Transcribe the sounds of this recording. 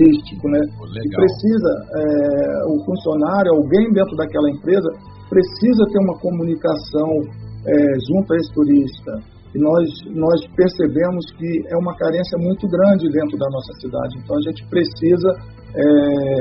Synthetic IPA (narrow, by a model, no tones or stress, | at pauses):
iʃt͡ʃikʊnɛkɪpɾesizɐɛʊfũsionaɾjʊawɡẽj̃d̪ẽnt̪ɾʊd̪akɛlɐẽmpɾezɐ | pɾesizɐt̪eɾũmɐkomunikasɐ̃w̃ɛʒũnt̪ɐest̪uɾiʃt̪ɐ | ɪnɔsnɔspeɾsebẽmʊskɪɛũmɐkaɾẽsjɐmũj̃t̪ʊɡɾɐ̃d͡ʒɪd̪ẽnt̪ɾʊd̪ɐnɔsɐsid̪a̰d͡ʒɪẽnt̪ɐ̃w̃ɐʒẽt͡ʃɪ̥pɾesizɐ | ɛ